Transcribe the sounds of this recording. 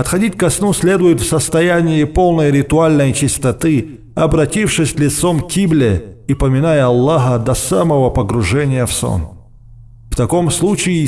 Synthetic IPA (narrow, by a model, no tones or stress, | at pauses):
pɐt̪xɐdʲit̚ʲkɐsnusʲlʲed̪ʊjɪt̪fsəst̪ɐjænʲɪɪpolˠnəjɾʲɪt̪ʊalʲnəjt͡ɕɪst̪ɐt̪ɨ | ɐbɾɐtʲifʂɨsʲlʲɪt̪somkʲiblʲɪipəmʲɪnajəɐlˠːaɦəd̪ɐsaməvəpəɡɾʊʐɛnʲɪjəfso̰n | ft̪ɐkomslˠut͡ɕɪɪ